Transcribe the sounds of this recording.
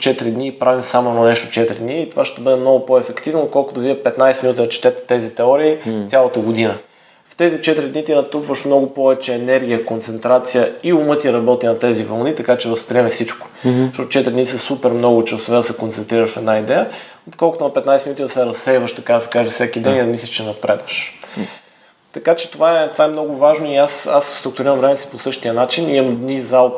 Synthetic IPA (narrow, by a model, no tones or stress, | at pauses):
t͡ʃɛt̪ɾid̪niːpɾavimsamononɛʃt̪ʊt͡ʃɛt̪ɾid̪niːt̪o̥vaʃt̪ɛbɤd̪ɛmnɔɡʊpoɛfɛkt̪ivnoːt̪̚kɔlˠkʊt̪ʊviɛpɛt̪najsɛminut̪id̪ɐt͡ʃɛ̥t̪ɛt̪ɛ̥t̪ɛzit̪ɛɔɾiːt̪sʲjalˠɐt̪əɡʊd̪inə | ft̪ɛzit͡ʃɛt̪ɾid̪nit̪inɐt̪upvəʃmnɔɡʊpɔvɛt͡ʃɛːnɛɾɡ̟ʲijəkont̪sɛnt̪ɾat̪sijəiumɤt̪iɾɐbɔt̪inɐt̪ɛzivɐlˠnit̪ɐkat͡ʃɛvəspɾiɛmɛfsit͡ʃko̥ | zʃt̪ɔt̪ʊt͡ʃɛt̪ɾid̪nisɐsupɛɾmnɔɡʊt͡ʃəsovɛd̪ɐsɛkont̪ɛnt̪ɾiɾəʃfɛd̪naid̪ɛjə | ot̪kɔlˠkʊt̪ʊnɐpɛt̪najsɛminut̪ʲid̪ɐsɛɾɐsɛjvəʃt̪ɐkad̪ɐsɛ̥kaʒɛfsʲɛkid̪ɛniɐmislʲɐ̥ʃt͡ʃɛnɐpɾɛd̪vəʃ | t̪ɐkat͡ʃɛ̥t̪ovaɛt̪ovaɛmn̪ɔɡʊvaʒnoiasasst̪ɾʊk̚t̪uʊɾiɾɐmvɾɛmɛsi̥posɤʃt̪iənat͡ʃiniɐmd̪nizalˠ